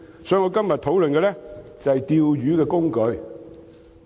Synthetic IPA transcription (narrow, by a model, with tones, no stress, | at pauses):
sɔː˨˥jŋɔː˨˧kɐ˥mjɐ˨t̪ʰo˨˥wlɵ˨nkɛː˧lɛ˥t͡sɐ˨hɛ˨jt̪iː˨˧wjyː˨˥kɛː˧kʊ˥ŋkɵ˨˧ɥ